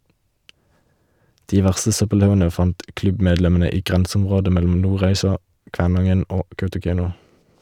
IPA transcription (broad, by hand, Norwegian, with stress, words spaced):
ˈdiː ˈʋæʁstə ˈsœpəˌlɑʉənə ˈfɑnt ˈklʉbˌmeːdlɛmn̩ə ˈiː ˈɡʁɛnsm̩ˌʁoːdə ˈmɛlm̩ ˈnuːˌʁæɪsɑ ˈkʋæːˌnɑŋən ˈoː ˈkɑʉtʊˌkæɪnʊ